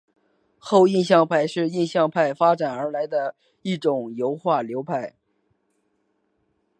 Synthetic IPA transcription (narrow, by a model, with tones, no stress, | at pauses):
xo˥˧ʊi˥˧nɕ̬jɑ˥˧ŋpʰa˥˧ɪʂɻ̩˥˧i˥˧nɕjɑ˥˧ŋpʰa˥˩ɪfa˥ʈ͡ʂa˨˩nə˞˧˥la˧˥ɪd̪ə˧ | i˥˩ʈ͡ʂʊ˨˩ŋjo˧˥ʊxwa˥˩ljo˧˥ʊpʰa˥˩ɪ